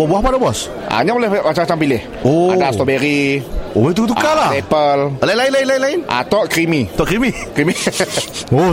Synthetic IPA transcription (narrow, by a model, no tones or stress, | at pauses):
buahpadabɔs | ʔa̰ɲabolɛhmat͡ʃaŋat͡ʃaŋpilɪh | oa̰dast̪ɔbeɾiobait̪̬ut̪̬ukalahepəllainlaɪnlaɪinlainlaɪnʔa̰t̪ɔʔkɾimit̪ɔʔkɾimikɾimi | o